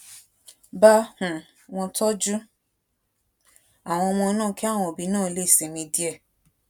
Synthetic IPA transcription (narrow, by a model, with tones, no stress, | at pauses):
ba˦hũ˨ | w̃ɔ̃˧tɔ˦d͡ʒu˦ | a˨w̃ɔ̃˧w̃ɔ̃˧nãː˦˨ki˦a˦˨w̃ɔ̃˧o˨bi˨˦nãː˦˨˧le˦i˦˨se˨mĩ˧di˦ɛ˦˨